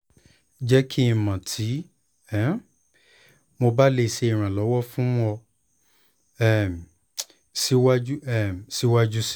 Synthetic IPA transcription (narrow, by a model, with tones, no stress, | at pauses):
d͡ʒɛ˦kʰi˦i˧˨mã˨tʰi˨˦ | ɛ̃˨˦ | mo˧ba˦le˧˨ʃe˧i˨ɾ̃ã˨lɔ˨˦wɔ˦fũ˦ɔ˧ | ɛ˦˨ | si˦wa˦d͡ʒu˦ɛ˦˨si˦wa˦d͡ʒu˦si˦